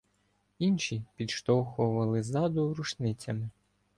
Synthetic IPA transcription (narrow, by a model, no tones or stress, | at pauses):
inʃipʲid̪ʃt̪ɔxʊʋɐlˠɪzɑd̪ʊɾut͡ʃnɪt͡sʲɐmɪ